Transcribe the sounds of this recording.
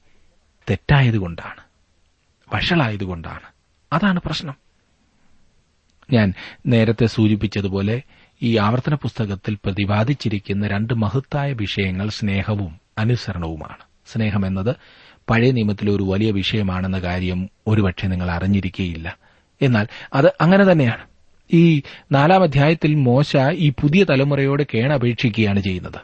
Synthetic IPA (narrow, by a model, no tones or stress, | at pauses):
t̪e̞tːaːjɐðuko̞ɳɖa̰ːɳɨ̥ | ʋɐʂɐɭaːjɐðuɣo̞ɳɖa̰ːɳɨ̥ | ɐðaːɳɨprɐɕnɐm | ɲaːnne̞ːɾɐt̪ːe̞suːt͡ɕip̬ːit͡ɕːɐðupo̞ːle̞ | iːaːʋɐrt̪ːɐnɐpust̪ɐɣɐt̪ːilprɐðibaːd̪ʱit͡ɕːiɾikʲːunːɐɾe̞ɳɖɨmɐɦɐt̪ːaːjɐʋiʂɐjɐŋːɐɭsne̞ːhɐʋumɐnusɐɾɐɳɐʋuma̰ːɳɨ̥ | sne̞ːɦɐme̞nːɐðɨ | pɐɻɐjɐnimɐt̪ːilo̞ɾuʋɐlijɐʋiʂɐjɐmaːɳe̞nːɐkaːɾjɐmo̞ɾupɐʈʂɐniŋːɐɭɐriɲːiɾikʲːuɣɐjilːɐ | e̞nːaːlɐðɨʔɐŋːɐne̞t̪ɐnːe̞jaːɳɨ | iːnaːlaːmɐd̪ʱjaːjɐt̪ːilmo̞ːɕaiːpuðijɐt̪ɐlɐmurɐjo̞ːɽɨke̞ːɳɐːbʱe̞ːʈʂikʲːuɣɐjaːɳɨt͡ɕe̞jːunːɐðɨ